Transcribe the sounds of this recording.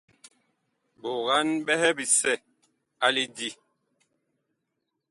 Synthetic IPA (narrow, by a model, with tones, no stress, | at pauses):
bo˨ɣa˦nɓɛ˦hɛ˦bi˨sɛ˦˨ | a˨li˦di˨